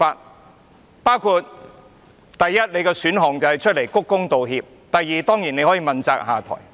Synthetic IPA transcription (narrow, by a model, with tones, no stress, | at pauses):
aː˧t̚ | paː˥wkʰuː˧t̚ | t̪ɐ˨jːɐ˥t̚ne˨˧jkɛː˧syː˨˥nɦɔː˨ŋt͡sɐ˨˩hɐ˨jt͡ʃʰɵ˥t̚le˨˩jkʊ˥kːʊ˥ŋt̪o˨wɦiː˧p̚ | t̪ɐ˨jːiː˨t̪ɔː˥ŋjiː˨˩ne˧hɔ˨˥jiː˧mɐ˨nt͡saː˧k̚haː˨˩t̪ʰɔ̰ː˨˩j